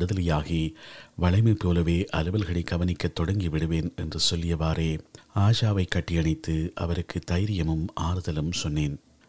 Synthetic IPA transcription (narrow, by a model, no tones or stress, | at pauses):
ɽɯðɐlɐjaːɣeːʋɐɭɐɪmɐɪpoːlɐʋeːʔɐlɯʋɐlɣɐɭɪkːɐʋɐnɪkːɐt̪ːɔɽɐŋɡiʋɪɽɯʋeːnɛndrɯsɔlːɪjɐʋaːɾeːaːd͡ʒaːʋɐɪkːɐʈːɪjɐɳɪt̪ːɯʔɐ̰ʋɐɾɯkːɯt̪ɐjɾɪjɐmɯmʔaːɾɯðɐlɯmsɔnːeːn